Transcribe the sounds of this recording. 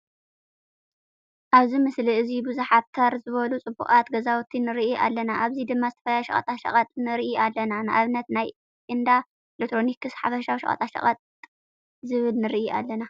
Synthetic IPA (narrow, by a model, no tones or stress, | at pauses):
ʔaβzimɨsliɨzibuzuħat̚t̪ʰɐɾzɨβɐlut͡sʼɨbṵχʼat̪ɡɐzawt̪ʰinɨɾiʔʔa̰lːɐnaʔaβzid̪ɨmːazɨt̪ʰɐ̥fɐlajʃɐ̰χʼɐ̰t̪ʼaʃɐ̰χʼɐt̪ʼnɨɾiʔiʔalːɐnanɨʔaβnɐt̪naj | ʔɨnd̪a | elek̚t̪ʰɾonikɨsħafɐʃawʃɐ̰χʼɐ̰t̪ʼaʃɐ̰χʼɐt̪ʼ | zɨβɨlnɨɾiʔia̰lːɐna